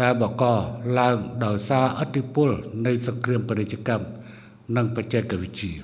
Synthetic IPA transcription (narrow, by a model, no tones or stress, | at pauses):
ɗaɛlɓɑŋkɑlaəŋɗaɔjsaːʔət̪ʰːipʊ̆əlnɨjsɑŋkriəmpenec̚t͡ɕːə̆əkam | nɨŋpəc̚t͡ɕɛkːaʋɨc̚t͡ɕiə